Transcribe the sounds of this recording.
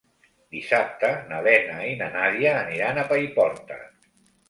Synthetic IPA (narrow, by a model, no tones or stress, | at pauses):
d̪isap̚t̪ənaβɛnainanaðiaːniɾanapaipɔɾt̪ə̰